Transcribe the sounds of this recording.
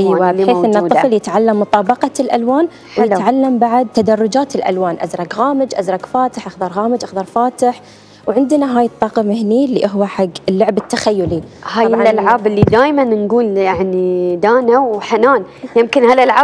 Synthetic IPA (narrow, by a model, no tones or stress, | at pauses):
ʔɪːwabeːθʔɪnːaˤːfljɪt̪ʕalːamːʊt̪ˤɑːbɑqɑlʔa̰lwaːn | wjɪt̪ʕalːambaʕad̪̚t̪ːad̪ɑrˤːʊd͡ʒaːt̪ɪlʔa̰lwaːnʔa̰zɾˤɑkɣaːmɪd͡ʒʔa̰zɾˤɑkfaːt̪ɪħʔaxd̪ɑɾˤɣaːmɪd͡ʒʔaxd̪ɑɾˤfaːt̪ɪħ | wʕɪnd̪naɦaːjɨt̪ˤːɑːqɑmɪhniːlːiʔʊɦwaħaɡːɪlːʊʕbɪt̪ːaxajːʊlihaːjʔalʕaːbɪlːid̪aːjmannɡuːljaʕnid̪aːnawħanaːn | jɪmkɪnhalʔalʕaːb